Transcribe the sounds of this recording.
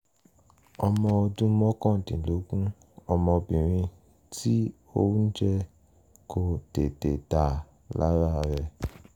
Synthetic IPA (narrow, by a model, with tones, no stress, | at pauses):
ɔ˧mɔ̃˧o˧dũ˦mɔ̃˦kɔ̃˦˨tḭ̃˨lo˨˦kũ˦ | ɔ˧mɔ̃˧bĩ˨ɾ̃ĩ˧ | ti˦ | o̰˦ũ˦n̩˦d͡ʒɛ˧ | kʰo˨te˨te˨ta˨ | la̰˦ɾa˦˨ɾɛ˧